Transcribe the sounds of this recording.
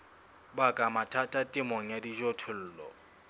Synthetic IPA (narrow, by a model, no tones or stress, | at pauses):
bakʼamatʰʼatʼatʼɪmɔŋ̩jadiʒɔtʰʊl̩ːlɔ̰